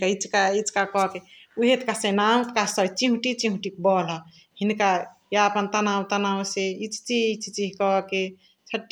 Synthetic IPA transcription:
kait͡ʃkait͡ʃkakɔke | uɦet̪kasenamt̪kasət͡ʃĩɦuʈit͡ʃiɦũʈikbɔlɔ | hinkajaəpənt̪anawt̪anawseit͡ʃt͡ʃiit͡ʃit͡ʃiɦkɔke | t͡ʃʰəʈː

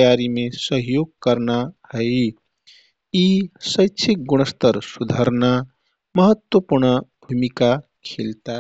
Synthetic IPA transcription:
jaɾimesəɦjoɡ̚kəɾnahəj | isəjt͡ʃʰik̚ɡuñəst̪əɾsud̪ʱəɾna | məɦət̪wəpuɾɳəbʱumika | kʰelt̪a

